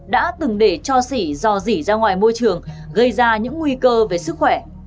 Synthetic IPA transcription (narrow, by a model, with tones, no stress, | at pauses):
ɗa̰ː˧˥t̪ɨ˨˩ŋɗe˧˩t͡ɕɔ˧si˧˩zɔ˧zi˧˩zaː˧ŋwaː˨˩jmo˧jt͡ɕɨ˨˩əŋɣə˧jzaː˧ɲɨ̰˧˥ŋːŋwi˧kəː˧ve˨˩sɨ˦˥k̚xwɛ˧˩